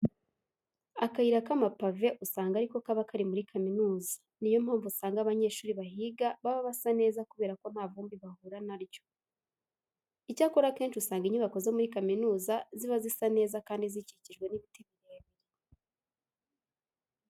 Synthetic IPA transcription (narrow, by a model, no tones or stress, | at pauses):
akaiɾakamapave̞ʔusaːŋɡaɾiko̞kaβakaɾimuɾikʰaminuːzḁ | nijo̞m̥haːɱvusaːŋɡaβaɲe̞ːʃuːɾiβaɦiːɡaβaβaβasane̞ːzakuβe̞ːɾako̞n̥haːvuːmbiβahuɾanaɾjo̞̥ | icaːkoɾake̞ːnʃusaːŋɡiɲuβako̞zomuɾikaminuːzaziβazisane̞ːzakaːndiziciciʒɡwe̞niβiteβiɾieβiɾe